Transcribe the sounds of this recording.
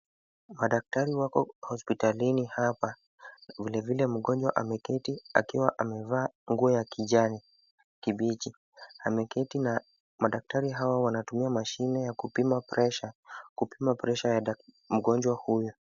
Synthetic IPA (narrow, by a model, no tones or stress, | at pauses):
maɗak̚taɾiwakɔ̰hɔspitalinihapa | vilɛvilɛm̩ɠɔnd͡ʒwa̰ʔamɛkɛtia̰kiwaʔamɛvaːŋɡuɔjakiʄani | kiɓit͡ʃi | hamɛkɛtina | maɗak̚taɾiɦawawanatumiamaʃinɛjakupimapɾɛʃakupimapɾɛʃaja | m̩ɠɔnd͡ʒwahujɔ